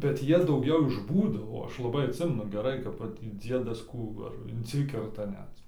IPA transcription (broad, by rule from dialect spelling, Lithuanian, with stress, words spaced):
bʲɛt ˈjiɛ dɐʊˈɡʲɛʊ ɪʃ ˈbuːdoː oː ˈɐʃ lˠɐˈbɐɪ ɐtʲˈsʲɪmʲɛnʊ ɡʲɛˈrɐɪ kɐp ˈʋɐt tʲiː ˈd͡zʲiɛdɐs ˈkuː ʋɐ ɐr ɪnʲˈsʲɪkʲɛrtɐ ˈnʲɛt